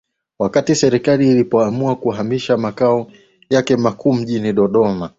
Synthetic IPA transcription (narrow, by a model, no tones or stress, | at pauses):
wakatisɛɾikaliːlipɔamuakuɦamiʃamakaɔ | jakɛmakʰuːm̩ʄiniɗɔɗɔma